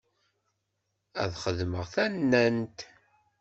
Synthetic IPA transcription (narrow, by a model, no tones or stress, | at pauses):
æ̰ðχəðməʁθænːænt̪